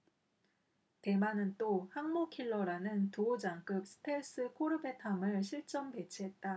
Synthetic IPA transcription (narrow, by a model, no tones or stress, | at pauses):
te̞manɯnt͈ohaŋmokʰiɭːʌɾanɯntood͡ʑaŋk͈ɯk̚s͈ʰɯ̥tʰeɭs͈ɯkʰoɾɯbe̞tʰamɯɭɕʰiɭt͡ɕ͈ʌmpe̞t͡ɕʰiɦe̞t̚t͈a